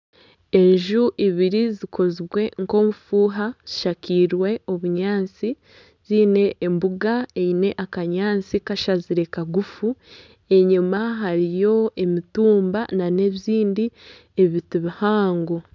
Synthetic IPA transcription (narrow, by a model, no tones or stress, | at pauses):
e̞ɲʒuʔiβiɾizikʰo̞ziβwe̞ŋko̞mufuːɦaz̥iʃakiːɾwe̞o̞βuɲaːnt͡si | ziːne̞ʔːmbuɡaeine̞ʔakaɲaːnt͡sikaʃaziɾe̞kaɡufu | e̞ɲumaɦaɾijo̞e̞mituːmba̰nane̞βziːndi | eiβitiβihaːŋɡo